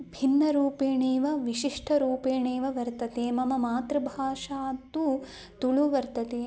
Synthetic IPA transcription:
bʱinːɐɾuːpeːɳeːʋɐʋiʃiʂʈʰɐɾuːpeːɳeːʋɐʋɐɾt̪ɐt̪eːmɐmɐmaːt̪ɾɐbʱaːʂaːt̪ːu | t̪uɭuʋɐɾt̪ɐt̪eː

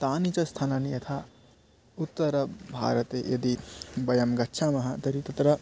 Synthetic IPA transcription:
t̪aːnit͡sɐst̪ʰananijɐt̪ʰa | ut̪ːɐɾɐbʱa̰ːɾɐt̪eʔed̪ibɐjɐmɡɐtːʃʰamɐɦãt̪ɐɾit̪ɐt̪ɾɐ

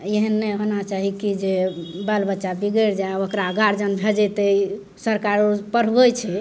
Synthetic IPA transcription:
jeɦənːɛɦonat͡ʃaɦikid͡ʒebəlbətːʃabiɡəɾd͡ʒaokɾaɡaɾd͡ʒənbʱed͡ʒɛt̪əi | səɾkaɾopəɾ̤bət͡ʃʰɛ

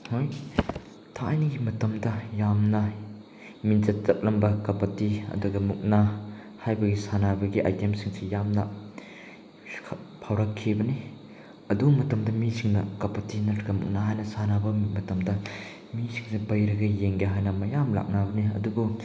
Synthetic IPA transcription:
hoj | tʰaajnɐɡimɐtɐmdɐjamnɐ | minzɐt̚t͡sɐp̚lɐmbɐkɐpɐtiɐ̰duɡɐmuk̚na | hajbɐɡisanabɐɡiʔa̰jtemsiŋsijamnɐ | pʰawɾɐkʰːibɐni | ɐdumɐtɐmdɐmisʰiŋnɐkɐpɐtinɐtɡɐmṵk̚naɦajnɐsanabɐmmɐtɐmdɐ | misiŋsibɐjɾɐɡɐjeŋɡeɦajnɐmɐjamla̰k̚nabɐniɐ̰dubu

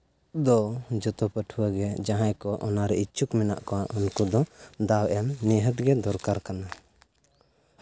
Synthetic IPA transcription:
d̪ɔd͡ʒɔt̪ɔpəʈʰuwaɡɛd͡ʒaɦãjkɔʔɔnaɾɛit͡ʃukmɛna̰ʔkɔaʔunkud̪ɔd̪awʔɛmnɛɦət̪̚ɡɛd̪ɔɾkaɾkana

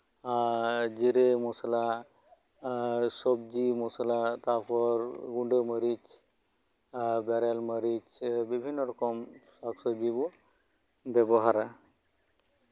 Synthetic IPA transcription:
d͡ʒiɾemɔsala | sɔb̚d͡ʒimɔsalat̪apʰɔɾɡuɳɖəməɾit͡ʃ | baɾalməɾit͡ʃbibʱinːɔɾɔkɔmsaksɔd͡ʒibu | bɛbɔɦaɾa

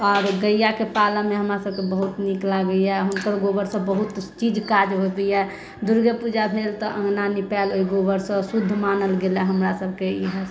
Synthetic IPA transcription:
ɔːɾɡəjjakepalameɦəmɾasəb̚kebəɦut̪niklaɡəjɛɦunkəɾɡobəɾsə̃bəɦut̪t͡ʃid͡ʒkad͡ʒɦobəjɛ | d̪uɾɡəpud͡ʒabʱelt̪ɔʔə̃ŋɡnanipɛloɦiɡobəɾsə̃sud̪ʱːmanəlɡelɛɦəmɾasəbʱkeiɦə

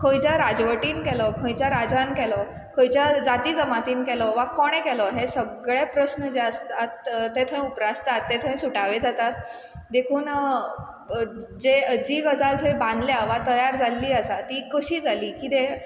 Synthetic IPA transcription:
kʰõjt͡ɕaɾad͡zʋəʈiːnkɛlɔkʰə̃jt͡ɕaɾad͡zankɛlɔ | kʰə̃jt͡ɕad͡zat̪iːd͡zəmat̪iːnkɛlɔʋakɔɽ̃ẽkɛlɔɦesəɡɭepɾəsnəd͡ʑeəst̪at̪t̪et̪ʰəẽupɾast̪at̪ːet̪ʰə̃ẽsuʈaʋed͡zat̪at̪̚ | d̪ekʰuːn | d͡zed͡ʑiːɡəd͡zalt̪ʰəẽbãnd̪ljaʋat̪əjaɾd͡zalːiːəsat̪iːkəɕiːd͡zʱaliːkit̪e

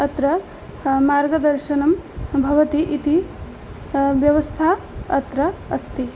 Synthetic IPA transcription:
ɐt̪ɾɐ | maːɾɡɐd̪ɐɾʃɐnɐmbʱɐʋɐt̪iʔit̪i | ʋjɐʋɐst̪ʰaː | ɐt̪ɾɐɐst̪ʰi

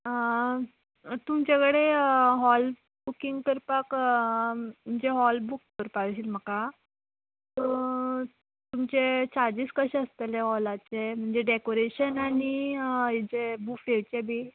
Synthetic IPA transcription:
ə | t̪umt͡ɕakəɽeɦɔl | bukiŋɡkəɾpak | m̤əɳd͡zeɦɔlbukːəɾpaɡɕiːlm̤əka | t̪ɔ | t̪umt͡ɕet͡ɕaɾd͡ʑiːskəɕẽəst̪əleɦɔlat͡sem̤əɳd͡zeɖekoɾeɕənaɽ̃i | d͡zebukfeɭt͡ɕebʱi

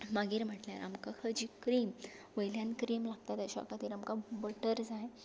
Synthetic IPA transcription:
maɡiːɾm̤əʈlja̰ɾʔa̰mkakʰəd͡ʑiːkɾiːmʋəjljãnkɾiːmlaɡ̚t̪at̪əɕɔ̰kat̪iːɾamkabəʈəɾd͡zaj

